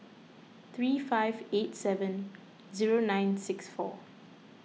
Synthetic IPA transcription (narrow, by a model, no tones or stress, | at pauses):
t̪ɹiːfaɪvetsɛvə̃n | ziɹonãɪ̃nsɪksfɔ̰